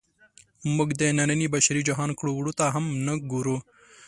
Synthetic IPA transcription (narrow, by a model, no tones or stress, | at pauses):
muɡd̪enɐnɐnibɐɕɾid͡ʒɐɦaːnkɽuwɽut̪aːɦɐmnɐɡuɾu